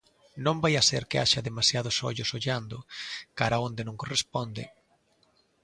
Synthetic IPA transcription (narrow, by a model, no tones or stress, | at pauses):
nõmbajaseɾkɪa̰ʃɐðemasjað̞ʊsɔ̰ʎʊsoʎand̪ʊkaɾaond̪ɪnõŋkorespond̪ɪ̰